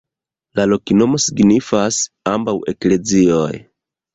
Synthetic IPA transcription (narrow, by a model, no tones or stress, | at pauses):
lalo̞kino̞mo̞siɡnifas | ambawe̞kle̞zio̰j